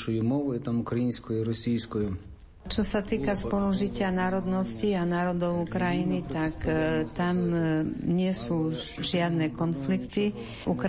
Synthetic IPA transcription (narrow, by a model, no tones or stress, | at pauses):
ʃʊjʊmɔʋʊit̪amukɾɐjinʲsʲkɔjʊiɾɔsʲijsʲkɔjʊ | t͡ʃɔsat̪iːkaspɔluʒicɪanaːɾɔd̪nɔscianaːɾɔd̪ɔʊukɾajinit̪akt̪amɲɪɛsuːʒɪad̪nɛkɔnflikt̪i | ʔuk